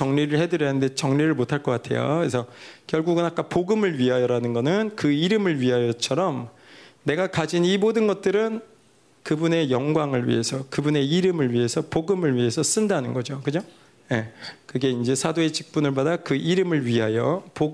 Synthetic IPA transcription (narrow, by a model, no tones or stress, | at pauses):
t͡ɕʌŋɲiɾɯɭhe̞dɯɾjʌnɯnde̞t͡ɕʌŋɲiɾɯɭmotʰaɭk͈ʌk͈atʰe̞̰jo̰kesʰʌkjʌɭɡuɡɯnak͈apoɡɯmɯɭɥiɦajʌɾanɯnɡʌnɯnkɯiɾɯmɯɭɥiɦajʌt͡ɕʰʌɾʌm | ne̞ɡakad͡ʑinimodɯnɡʌt̚t͈ɯɾɯn | kɯbune̞jʌŋɡwaŋɯɭɥḭɦe̞sʰʌkɯbune̞iɾɯmɯɭɥiɦe̞sʰʌpoɡɯmɯɭɥiɦe̞sʰʌs͈ɯndanɯnɡʌd͡ʑokɯd͡ʑo | je̞kɯɡe̞ind͡ʑe̞sʰadoet͡ɕʰi̥k̚p͈unɯɭbadakɯʔiɾɯmɯɭɥiɦajʌpo